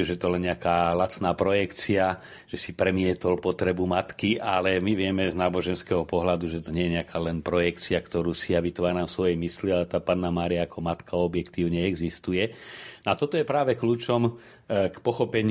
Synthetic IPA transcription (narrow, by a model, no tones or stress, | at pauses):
ʒɛɛt̪ɔlɛnɲɛakaːlat͡snaːpɾɔjɛkt͡sia | ʒ̥ɛsipɾɛmɪɛt̪ɔlpɔt̪ɾɛbumat̪kiʔalɛmiʋɪɛmɛznaːbɔʒɛnskɛɦɔpɔɦlad̪uʒɛt̪ɔɲɛjɛɲɛakʰaːlɛnpɾɔjɛkt͡siakt̪ɔɾuːsijaʋit̪ɔʋaːnaːfsʋɔjɛjmisliat̪aːpaːnːamaːɾiaːkɔmat̪kʰaɔbjɛkt̪iːʊɲɛɛɡzist̪ujɛnɔat̪ɔt̪ɔjɛpɾaːʋɛkluːt͡ʃɔm | kpɔxɔpɛɲ